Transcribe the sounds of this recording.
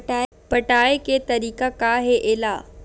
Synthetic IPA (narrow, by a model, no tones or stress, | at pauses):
ʈaː | pɐʈaːeket̪ɐɾiːkakaːɦeʔɪːlaː